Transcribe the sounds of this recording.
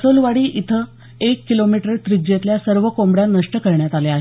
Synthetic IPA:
solʋaɽiːʔit̪ʰə | ekːilomiʈəɾt̪ɾid͡ʑet̪ljasəɾʋəkombɽjanəʂʈəkəɾɳjat̪aleaɦe

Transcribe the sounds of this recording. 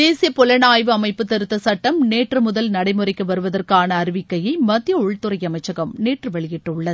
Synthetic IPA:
d̪eːsɪjɐpɔlɐnaːjʋɯɐmɐɪpːɯt̪ːɐɾɯt̪ːɐsɐʈːɐmneːʈrɯmʊðɐlnɐɽɐɪmɯrɐɪkːɯʋɐɾɯʋɐðɐrkaːnɐːɾɪʋɪkːɐjɐɪmɐt̪ːɪjɐʊɻt̪ːɯɾɐjɐmɐɪt͡ʃːɐɣɐmneːʈrɯʋɛɭɪjɪʈːɯʊɭːɐð

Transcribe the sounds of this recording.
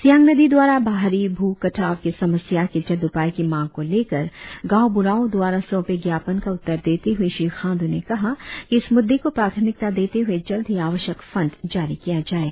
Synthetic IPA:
sjãːŋɡnɐd̪id̪waːɾabaːɦɾibʱuːkɐʈʰaːʋkesɐməsjaked͡ʒɐd̪ʊpaːikimãːŋɡ̚koleːkəɾɡaːobʊɾaːõd̪waːɾasɔ̃ːpeɡjaːpənkaʊt̪ːəɾd̪eːt̪eɦʊeʃɾiːxʰãːnd̪unekɐɦakiɪsmʊd̪ʱːekopɾaːt̪ʰəmɪk̚t̪ad̪eːt̪eɦued͡ʒɐld̪ʱɦiaːʋəʃjəkfɐ̃nɖd͡ʒaːɾikijad͡ʒaːeːɡa

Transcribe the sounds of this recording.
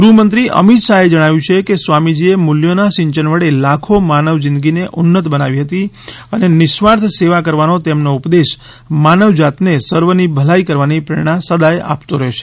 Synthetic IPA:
ɡɾumənt̪ɾiʔə̰mit̪ʃaɦed͡ʒəɽ̃aʋjũt͡ʃʰekesʋamid͡ʒiemuljonaʃɪ̃ɲt͡ʃənʋəɽelakʰomanəʋd͡ʒɪ̃nd̪ɡineʔʊnːət̪bəna̰ʋiɦət̪i | ənenɪʃʋaɾt̪ʰseʋakəɾʋanot̪emnoupd̪eʃ | manəʋd͡ʒat̪nesəɾʋənibʱəlaikəɾʋanipɾəɾɽ̃ãsəd̪aja̰pt̪oɾəɦeʃe̥

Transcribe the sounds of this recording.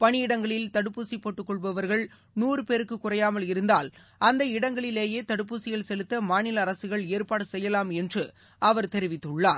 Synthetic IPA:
pɐɳɪɪɽɐŋɡɐɭɪlt̪ɐɽɯpːuːsipːoːʈːɯkːɔɭbɐʋɐɾɣɐɭ | nuːrɯpeːɾɯkːɯkːʊrɐjaːmɐlɪɾɯnd̪aːl | ʔɐnd̪ɐɪɽɐŋɡɐɭɪleːjeːt̪ɐɽɯpːuːsɪɣɐɭsɛlɯt̪ːɐmaːnɪlɐːɾɐsɯɣɐɭeːɾpaːɽɯsɛjːɐlaːmɛndrɯ | ɐʋɐɾt̪ɛɾɪʋɪt̪ːɯɭːaːɾ

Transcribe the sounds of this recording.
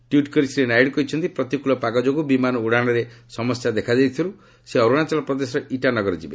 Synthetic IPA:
ʈjuʈkɔɾisɾenajɖkɔɦit͡ʃʰɔnt̪ipɾɔt̪ikulɔpaɡɔd͡ʒoɡubimanɔuɽaɽ̃ɔɾesɔmɔsjad̪ekʰad͡ʒajt̪ʰiɔɾu | seɔɾuɽ̃at͡ʃalɔpɾɔd̪esɔɾɔiʈanɔɡɔɾɔd͡ʒibe

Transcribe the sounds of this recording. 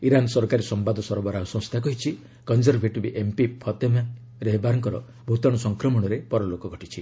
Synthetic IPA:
iɾansɔɾkaɾisɔmbad̪ʱɔsɔɾɔbaɾaɦɔsɔ̃st̪ʰak̬ɔɦit͡ʃʰi | kɔnd͡ʒɔɾbʱeʈibiʔempipʰɔt̪ema | ɾeɦbaɾɔŋkɔɾɔ | bʱut̪ɔɽ̃ɔsɔŋkɾɔmɔɽ̃ɔɾepɔɾɔlokɔɡʱɔʈit͡ʃʰi

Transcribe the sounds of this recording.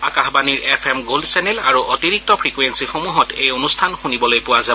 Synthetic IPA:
akaxbaniɹɛpʰɛmɡoldsɛnɛla̰ɹuʔɔtiɹik̚tɔpʰɹikwensixomuɦɔtejonustʰanxunibɔlojpʊwaza

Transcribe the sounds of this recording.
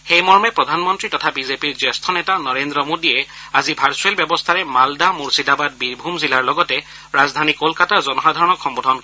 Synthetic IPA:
xejmɔɹmɛpɹɔdʱanmɔntɹitɔtʰabizepiɹzestʰɔnetanɔɹendɹɔmodiɛ | azibʱaɹsɔelbjɔbɔst̪ʰaɹɛmaldamuɹsidabad̚biɹbʱumzilaɹlɔɡɔtɛ | ɹazdʱanikolkataɹzɔnɔxadʱaɹɔnɔkxɔmbodʱɔnk

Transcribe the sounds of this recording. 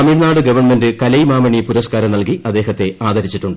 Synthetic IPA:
ɐmiːɽnaːɽɨɡɐʋɐrɳmendɨkɐlɐjmaːmɐɳipuɾɐskaːɾɐmnɐlkiʔɐd̪ːe̞ːɦɐt̪ːe̞aːd̪ʱɐɾit͡ɕːiʈːuɳɖɨ

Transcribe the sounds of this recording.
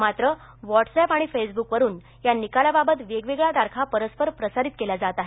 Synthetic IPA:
mat̪ɾə | ʋɔʈsɛpaɽ̃ifesbukʋəɾuːn | janikalababət̪ʋeɡʋeɡɭad̪aɾkʰapəɾəspəɾpɾəsaɾit̪̚kelad͡zat̪aɦe

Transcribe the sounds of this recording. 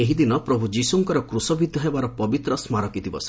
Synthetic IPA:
eɦid̪inɔpɾɔbʱud͡ʒisuŋkɔɾɔkɾusɔbid̪ʱjɔɦebaɾɔpɔbit̪ɾɔsmaɾɔkit̪ʰibɔ̰s

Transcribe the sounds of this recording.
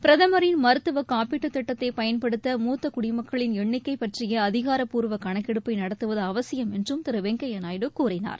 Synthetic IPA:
pɪɾɐðɐmɐɾɪnmɐɾɯt̪ːɯʋɐkaːpiʈːɯt̪ːɐʈːɐt̪ːɐɪpɐjɐnpɐɽɯt̪ːɐmuːt̪ːɐkʊɽɪmɐkːɐɭɪnɛɳːɪkːɐɪpɐʈrɪjɐːðɪɣaːɾɐpːuːɾʋɐkɐɳɐkːɪɽɯpːɐɪnɐɽɐt̪ːɯʋɐðɐːʋɐsɪjɐmɛndrɯmt̪ɪɾɯʋɛŋɡɐjɐnaːjɽɯkːuːrɪna̰ːɾ

